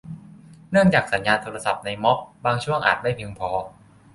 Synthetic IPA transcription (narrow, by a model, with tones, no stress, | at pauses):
nɯ˥˩əŋt͡ɕaː˨˩k̚sa˩˦njaː˧nt̪ʰoː˧ɾa˧sa˨˩p̚na˧jmɔ˦˥p̚baː˧ŋt͡ɕʰu˥˩əŋʔaː˨˩t̪̚ma˥˩jpʰi˧ŋpʰɔː˧